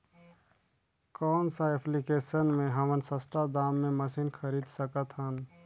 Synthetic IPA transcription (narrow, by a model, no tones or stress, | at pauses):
kɔːnsaepʰlikesənmẽɦəmənsəst̪ad̪aːmːẽməsinkʰəɾiːd̪səkət̪ɦən